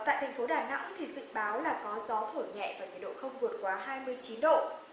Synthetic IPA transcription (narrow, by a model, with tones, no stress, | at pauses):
t̪a̰ː˧˨jt̪ʰɛ˨˩ŋ̟fo˨˦ɗaː˧˩na̰˧˥ŋt̪ʰi˨˩zɨ̰˧˨ŋɓaː˨˦wlaː˨˩kɔ˨˦zɔ˨˦t̪ʰo˧˩ɲɛ̰˧˨vaː˨˩ɲ̰˨˧˩əɗo̰˧˨xə˧wŋ͡mvu˨˩ət̚kwaː˨˦ɦaː˧jmɨ˧əjt͡ɕi˨˦nɗo̰˧˨